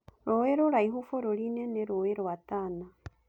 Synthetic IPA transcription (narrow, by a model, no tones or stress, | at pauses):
ɾoweɾoɾaiɦufoɾoɾineneɾoweɾoatana